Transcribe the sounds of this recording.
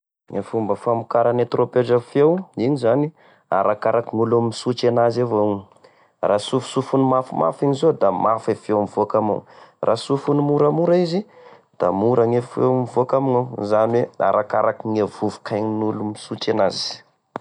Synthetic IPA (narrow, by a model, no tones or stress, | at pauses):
ŋefumbəfamukaɾanet̪ropeɖ͡ʐafewiɲizani | a̰ɾakaɾakiŋulummisut͡ʃenazevoŋ | rasufu̥sufunumafuma̰fiɲizod̪amafefewmiv̥okama̰wrʔasufunumuɾamuɾaizi | d̪̥a̰muɾaŋefḛwmivokamiŋawzaniwea̰ɾʔakaɾakiŋev̥uvu̥kʰajɲinulumisut͡ʃenaz̥i̥